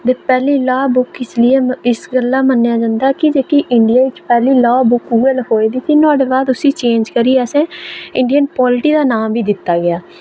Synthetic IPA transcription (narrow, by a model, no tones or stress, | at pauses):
d̪eːpɛːliːlaːbʊkɪslɪeːɪsɡəlːãːmənːjaːd͡ʒãːnd̪aːkɪd͡ʒeːkiːʔɪɳɖɪjaːʋɪt͡ʃpɛːliːlaːbʊkuːəloːiːd̪iːsiːnãːɖeːbaːd̪ʊsĩːt͡ʃẽːɲd͡ʒkəɾiːəsɛ̃ːɪɳɖijənpɔːlʈiːd̪aːnaːmbiːd̪ɪt̪ːaːɡɪaː